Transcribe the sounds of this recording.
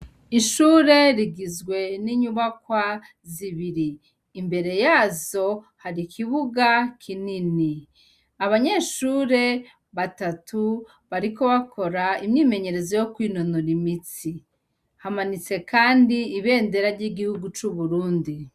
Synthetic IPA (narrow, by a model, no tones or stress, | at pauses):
iʃuːɾe̞ɾiɡizɡwe̞niɲuβakwa | ziβiɾiː | mbe̞ɾe̞jaːzo̞ | haɾikʰiβuɡakʰinini | aβaɲe̞ːʃuːɾe̞ | βatatʰu | βaɾiko̞βakʰo̞ɾaimɲiːme̞ɲe̞ɾe̞zo̞jo̞kwiːnonoɾimit͡si | hamanit͡se̞kaːndiːβe̞ːnde̞ɾaɾɟiːɡihuɡut͡ʃuβuɾuːndi